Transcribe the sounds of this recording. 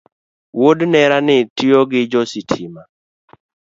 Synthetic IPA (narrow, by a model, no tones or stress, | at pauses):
wodnɛɾanɪtiɔɡɪd͡ʒɔsitʰima